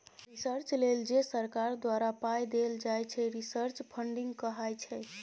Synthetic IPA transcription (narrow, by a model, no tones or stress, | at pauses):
ɾisəɾt͡ʃleld͡ʒesəɾkaɾd̪waɾapajd̪eld͡ʒajt͡ʃʰɛɾisəɾt͡ʃpʰəɳɖiŋɡkəɦajt͡ʃʰɛ